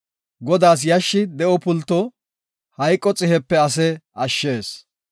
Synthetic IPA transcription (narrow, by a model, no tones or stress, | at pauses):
ɡɔd̪aːs̬jɐʃːɪd̪ɛʔɔpʊlt̪ːɔ | hɐjkʼːɔt͡sʼɪhɛpːɛɐs̬ɛɐʃːeːs